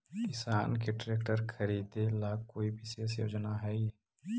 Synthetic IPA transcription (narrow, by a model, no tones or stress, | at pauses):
kɪsaːnkeʈɾeːkʈəɾkʰɐɾiːd̪elaːkkːoːibɪsesjoːd͡ʒnaɦɛi